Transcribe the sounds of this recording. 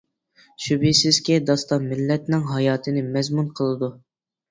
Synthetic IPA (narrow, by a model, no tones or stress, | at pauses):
ʃybisɪz̥kʲid̪ɑst̪ɑnmɪlːɛt̪nɪŋɦɑjɑːt̪ʰɨnɪmɛzmunqʰəlˠɨd̪u